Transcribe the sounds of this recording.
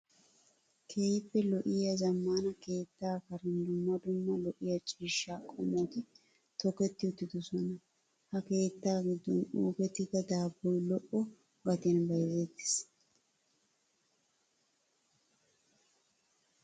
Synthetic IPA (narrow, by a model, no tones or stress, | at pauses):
kʰeːjɪpːɛlɔʔɪjɐzɐmːaːnɐke̞ːt̪ːaːkɐɾɛnd̪ʊmːɐd̪ʊmːɐlɔʔɪjɐt͡ʃʼiːʃːaːkʼɔmoːt̪ɪ | t̪ɔkɛt̪ːɪʊt̪ːɪd̪ɔsɔnɐ | hɐke̞ːt̪ːaːɡɪd̪ːɔnuːpɛt̪ːɪɡɐd̪aːbːɔjlɔʔɔ | ɡɐt̪ɛnbɐjzeːt̪ːɪ̥s